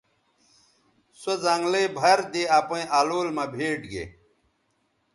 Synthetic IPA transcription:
sozaŋɡlebʱɐɾd̪eaːpɐ̃ĩʔaːloːlmɐbʱeːʈɡḛ

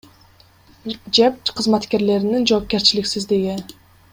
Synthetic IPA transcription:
d͡ʒep̚qʰɯzmat̪ke̞ɾle̞ɾinind͡ʒo̞ːp̚ke̞ɾt͡ʃiliksizd̪eɡi

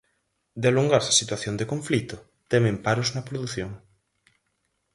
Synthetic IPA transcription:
d̪eluŋɡaɾsɐsit̪waθjond̪ekõɱflit̪o | t̪ɛmẽmpaɾoznɐpɾoðuθjoŋ

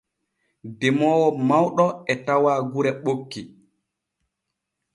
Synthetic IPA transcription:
dɛmɔːwɔmawɗɔɛtawaːɡuɾɛɓokːi

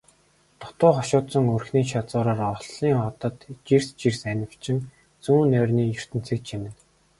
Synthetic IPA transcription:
t̪ʊ̥t̪ʊːχɔʃʊːt̪sɞ̆ŋɵrxniːʃat͡sʊːɾaːrɔɮiːŋɔt̪ə̆t̪t͡ɕirst͡ɕirsænʲɪ̆w̥t͡ɕɪ̆ŋ | t͡suːnːœːrʲniːjɵr̥t̪ɘ̆n̥t͡sʰĕːkt͡ɕimɘ̆n

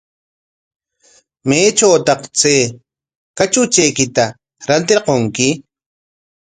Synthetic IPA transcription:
meːt͡ʃawt̪ɑqt͡seː | kat͡ʃʊt͡ʃejkɪt̪a | ɾant̪eɾqoŋkɪ

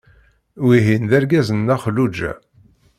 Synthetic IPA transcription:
wiɦinðæɾɡæzənːæχəlːud͡ʒæ̰

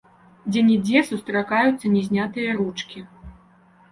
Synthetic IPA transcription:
d͡zʲɛnʲid͡zʲɛsust̪ɾakajut̪sːɐnʲɛzʲnʲat̪ɨjɐɾut͡ʂkʲi

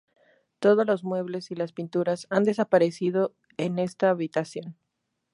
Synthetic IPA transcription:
t̪o̞ð̞o̞zlo̞zmwe̞βle̞silaspint̪uɾasand̪e̞sapaɾe̞sið̞o̞ | ene̞st̪aːβit̪asjo̞n

